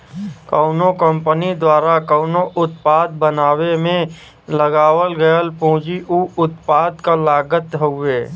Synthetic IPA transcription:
kəʊnokə̃mpənid̪waːɾakəʊnoʔʊt̪paːd̪bənaːwemẽ | ləɡaːwəlɡəjəlpõːd͡ʒiʔuʊt̪paːd̪kalaːɡət̪ɦoeː

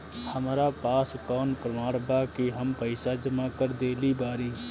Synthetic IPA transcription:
həmɾapaːskɔːnpɾəmaːɽbaːkiɦəmpəɪsad͡ʒəmãkəɾd̪eːlibaːɾiː

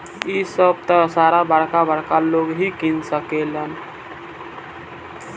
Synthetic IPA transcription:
isəb̚t̪əsaɾabaɽkabaɽkaloɡɦikinsəkelən

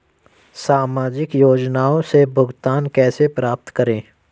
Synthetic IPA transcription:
saːmaːd͡ʒɪkjoːd͡ʒnaːõsebʱʊɡt̪aːnkɛːsepɾaːp̚t̪kəɾẽː

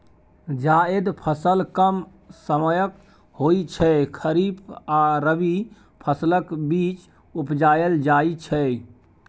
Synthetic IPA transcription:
d͡ʒaed̪pʰəsəlkəm | səməjək | hojt͡ʃʰɛkʰəɾipaɾəbi | pʰəsləkbit͡ʃ | upd͡ʒajəld͡ʒait͡ʃʰɛ

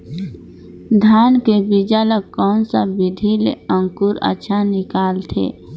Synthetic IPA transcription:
d̪ʱaːnkebid͡ʒaːləkkːɔːnsabɪd̪ʱilḛə̃ŋkuɾə̰tːʃʰanɪkaːlt̪ʰḛː

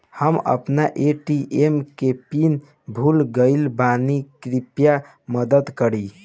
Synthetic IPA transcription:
həmə̰pnaʔeʈiʔemkepin | bʱulɡəɪlbanikɾipja | məd̪əd̪kəɾi

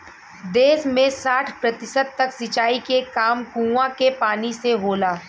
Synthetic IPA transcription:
d̪eːsmẽsaːʈʰpɾɐt̪ɪsəd̪̚t̪ɐksɪt͡ʃaːikekaːmkũːʋãkepaːniseɦoːlaː

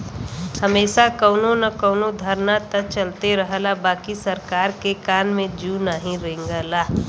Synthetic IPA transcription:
həmeːʃakəʊnonɐkəʊnod̪ʱəɾnat̪ət͡ʃəlt̪eɾəɦəlabaːkisəɾkaːɾkekaːnmẽd͡ʒunaːɦĩɾẽːŋɡəlaː

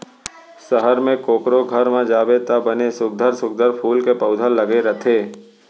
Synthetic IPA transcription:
səɦəɾmẽkoːkɾoɡʱəɾmãd͡ʒaːʋet̪abənesʊɡ̚d̪ʱəɾsʊɡ̚d̪ʱəɾpʰuːlkepəʊd̪ʱəlːəɡeɾət̪ʰeː

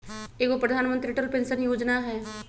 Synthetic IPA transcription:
eːkopɾəd̪ʱaːnmə̃nt̪ɾiʈəlpẽnsənjoːd͡ʒnaɦɛː

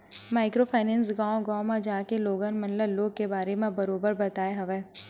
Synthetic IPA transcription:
maːɪkɾopʰaːɪnɛ̃ːnsɡãːõɡãːmãd͡ʒaːkeloːɡanmɐnləloːɡ̚kebaːɾemẽbɐɾoːbəɾbɐt̪aːeɦɐʋeː

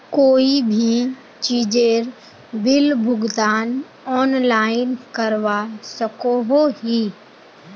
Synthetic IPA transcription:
koːibʱi | t͡ʃiːd͡ʑeːɾ | bɪlbʱʊɡd̪aːn | ɔːnlaːɪnkɐɾʋasɐkoɦoɦiː

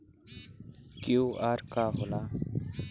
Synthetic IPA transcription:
kjuːaːɾkaɦola

